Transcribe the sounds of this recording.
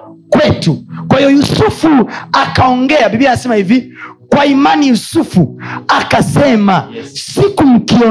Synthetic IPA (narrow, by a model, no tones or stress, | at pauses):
kwɛtukwahijɔjusufuakaɔŋɡɛabibianasɛmahivi | kwaimanijusufuakasɛmasikum̩kiɔ